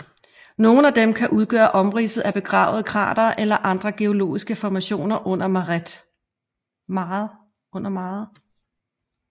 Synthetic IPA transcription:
no̝ːn̩æd̥emkʰæʔuð̞ˠɡ̥œ̰ːɐʔɒ̽mʁḭːsð̩ˠæb̥e̝ɡ̥ʁɑ̰̈ːʊð̞̩ˠkʰʁɑ̰̈ːd̥ɐʔelɐʔɑ̈nd̥ʁɐɡ̥e̝o̝lo̝̰ːisɡ̥əfɒmæɕo̝̰ːnɐʔɔ̽n̰ɐmʁd̥ | mɑð̩ˠ | ɔ̽n̰ɐmɑːð̩ˠ

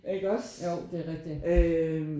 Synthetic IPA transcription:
ʔe̝ɡ̥ɒsjoʊ̰d̥e̝æʁɛɡ̥̚d̥iø

